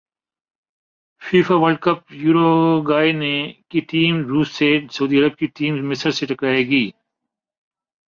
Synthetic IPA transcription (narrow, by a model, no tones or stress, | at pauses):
fiːfaʋɐlɖ̚kɐp̚juːɾoɡaːenekiʈiːmɾuːsːeʈsɐuːd̪iːɐɾəb̚kiʈiːmzmɪsəɾseʈɐkɾaːeɡiː